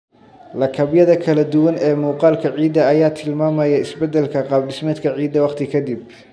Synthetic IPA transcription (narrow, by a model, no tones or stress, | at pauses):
lɐkʰɐbjɐðɐkʰɐlɐd̪ʊwɐnɛːmuːqɑːlkʰɐʕiːd̪ɐːjaːt̪ʰɪlmaːmɐjɐɪsbɛd̪ɛlkʰɐqɑːbɖɪsmɛːd̪kʰɐʕiːd̪ɐwɑqt̪ʰɪkʰɐd̪ib